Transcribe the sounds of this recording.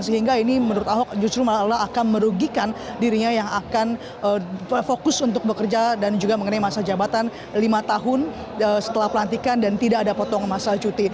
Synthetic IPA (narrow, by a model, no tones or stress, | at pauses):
nsəɦiŋɡainimənuɾʊt̪aɦɔk̚d͡ʒust̪ɾumalaakanməɾuɡikandiɾiɲajaŋakan | əəfokʊsunt̪ʊk̚bəkərd͡ʒadand͡ʒuɡaməŋənajmasad͡ʒabat̪an | limat̪aɦʊn | əsə̥t̪əlahpəlant̪ikandant̪idakadapot̪ɔŋmasat͡ʃut̪i